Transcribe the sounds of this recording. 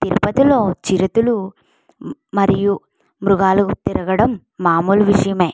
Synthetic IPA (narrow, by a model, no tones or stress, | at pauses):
t̪iɾupɐt̪ilo̞ːt͡ʃiɾɐt̪ulu | mɐɾiju | mɾuɡaːlɐkut̪iɾɐɡɐɽɐmː | aːmuːlʋiʂɐjɐme̞ː